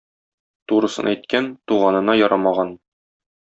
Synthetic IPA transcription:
t̪uɾɤ̆sɤ̰̆næjt̪kænt̪uʁɑnɤ̆nɑjɒɾɑmɑʁɑn

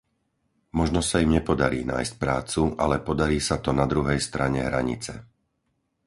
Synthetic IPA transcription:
mɔʒnɔsaimɲɛpɔd̪aɾiːnaːjsc̚pɾaːt͡suʔalɛpɔd̪aɾiːsat̪ɔnad̪ɾuɦɛjst̪ɾaɲɛɦɾaɲḭt͡sɛ̰

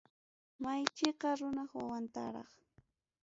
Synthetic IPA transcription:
majt͡ʃeqɑɾʊnɑχwawant̪a̰ɾɑ̰χ

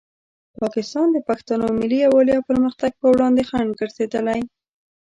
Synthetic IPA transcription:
pɑkɪst̪ɑnd̪əpaxt̪anomɪlːiawalijawpəɾməxt̪aɡ̚pəwɽɑnd̪exaɳɖɡəɾsed̪əlaj

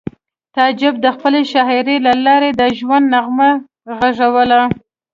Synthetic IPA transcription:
t̪ɑd͡ʒɪb̚d̪əxpəleʃɑɦɪɾelalɑɾed̪əʒwand̪naɣma | ɣaʐawəla

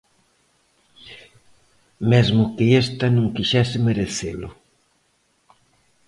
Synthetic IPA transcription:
mezmʊkɪest̪ɐnũŋkiʃɛsɪmeɾeθelʊ̰

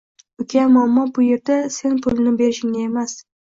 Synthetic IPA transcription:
ʊkʲʰamɒmːɒbʊje̞ɾd̪ase̞npʰʊlɪnɪbe̞ɾɪʃɪŋnɪemas

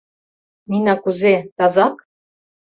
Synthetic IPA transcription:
ninɑkuzet̪ɑzɑk

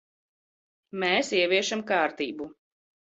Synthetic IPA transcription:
mɛːsiɛviɛʃamkaːɾt̪iːbu

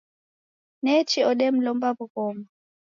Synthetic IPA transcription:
nɛt͡ʃiɔɗɛm̩lɔmbabukɔma

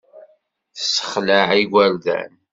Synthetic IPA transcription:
θə̥sːə̥χləʕiɡʷæɾðæ̰n

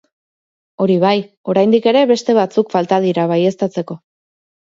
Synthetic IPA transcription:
o̞ɾiβ̞aj | o̞ɾajnd̪ike̞ɾe̞βe̞st̪e̞β̞at͡sukfalt̪aðiɾaβaje̞st̪at͡se̞ko̞

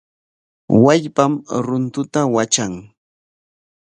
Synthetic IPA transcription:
waʎpamɾʊnt̪ʊt̪awat͡ʃaŋ

